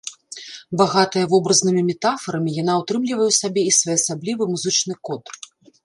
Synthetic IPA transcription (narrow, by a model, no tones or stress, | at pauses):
baɣat̪ɨjɐvɔbɾɐznɨmʲimʲɛt̪afɐɾɐmʲijanawt̪ɾɨmlʲivɐjɛwsabʲɛisvɔjɛɐsablʲivɨmuzɨt͡ʂn̪ɨkɔt̪